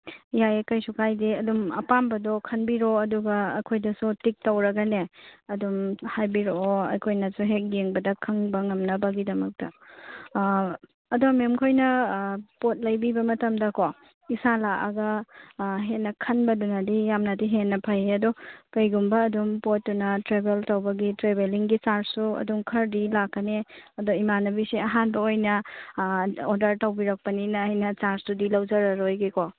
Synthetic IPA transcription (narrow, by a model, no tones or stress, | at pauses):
jajekɐjsukʰajdiɐdumɐ̰pambɐdɔkʰɐnbiɾoɐduɡɐːkʰojdɐsutik̚tɐwɾɐɡɐneɐdumhajbiɾooɐ̰jkʰojnɐsuɦek̚jeŋbɐdɐkʰɐŋbɐŋɐmnɐbɐɡidɐmɐk̚tɐ | ɐdomemkʰojnɐpot̚lɐjbibɐmɐtɐmdɐko | isalaʔɐ̰ɡɐ | ɦenːɐkʰɐnbɐdunɐdijamnɐdiɦenːɐpʰɐjɐdokɐjɡumbɐːdumpotːunɐtɾebeltɐwbɐɡitɾebeliŋɡit͡ʃaɾsːuɐ̰duŋkʰɐɾdilakːɐneɐdoimanɐbisiɐɦanbɐojnɐ | odɐɾtɐwbiɾɐk̚pɐninɐɐjnɐt͡ʃaɾsudilɐwzɐɾɐɾojɡiko